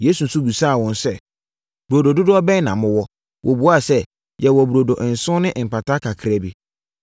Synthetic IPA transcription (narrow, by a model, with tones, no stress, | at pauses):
je˦su˨n̩˨su˦bu˨saː˦˨wɔ̃˨nsɛ˦˨ | b̥u˨ɾo˨do˨dʊ˦dʊ˦ɔ˦bɛ̃˦nã˨mʊ̃˦wɔ˦ | wʔɔ˨bu˨˦a˦˨sɛ˦ | jɛ˨wɔ˨bu˨ɾo˨do˨ʔn̩˨sʊ̃˦nɪ̃˦ʔm̩˨pʰa˨tʰa˦kʰa˨kʰɪ˨ɾɛ˦bi˨